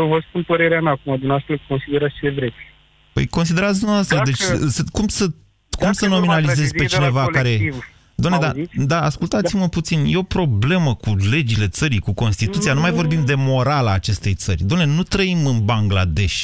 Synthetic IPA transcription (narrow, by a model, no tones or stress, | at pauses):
vəspunpəɾeɾeamʲaːkumad̪umnɛasfelko̞nsid̪e̞ɾat̪st͡ʃeevɾesʲ | pə̰jko̞ns̬id̪e̞ɾat̪s̬d̪umnavast̪ɾəd̪e̞t͡ʃsəkumsə | kumsəno̞minalize̞zʲpe̞t͡ʃinevakaɾeiv | d̪oamned̪ad̪aaskult̪at̪siməput̪sinje̞o̞pɾo̞ble̞məkule̞d͡ʒile̞t̪səɾikuko̞nst̪it̪ut̪sijanumajvo̞rbimd̪e̞mo̞ɾalaːt͡ʃe̞st̪e̞jt̪sərʲd̪oamne̞nut̪ɾəimɨnbaŋɡla̰d̪e̞ʃʲ